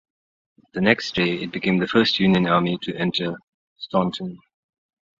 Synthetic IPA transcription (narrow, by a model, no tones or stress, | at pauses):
ðɨnɛksd̥eɪɪt̚b̥ɨkʰẽɪ̃mðɨfɜ˞st̚ʰjʉnjɨ̃nɑɹmitʰɨʔɛ̃ntʰə | stɔ̃ntʰə̃n